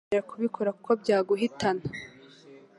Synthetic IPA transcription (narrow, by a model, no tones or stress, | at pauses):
eɾakuβikʰo̞ɾaku̥ko̞bɟaːɡuɦitʰana